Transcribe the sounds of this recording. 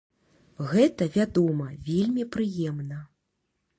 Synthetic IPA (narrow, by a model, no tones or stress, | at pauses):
ɣɛt̪ɐvʲad̪ɔmɐvʲelʲmʲipɾɨjɛmnɐ